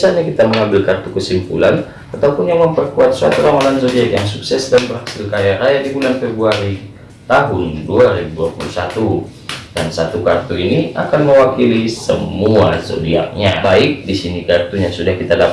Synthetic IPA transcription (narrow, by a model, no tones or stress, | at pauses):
isalɲakit̪aməŋambɪlkart̪ukəsimpṵlan | at̪aupʊnjaŋməmpərkuat̪̚suat̪uɾawanansodiakjaŋsuksɛsdanbərhasɪlkajaɾajadibulanpɛbuaɾi | t̪aɦʊnduaɾibuduapulusat̪u | dansat̪ukart̪uinia̰kanməwakilisə̰muaso̰dia̰k̚ɲabaɪk̚disinikart̪uɲasudahkit̪adap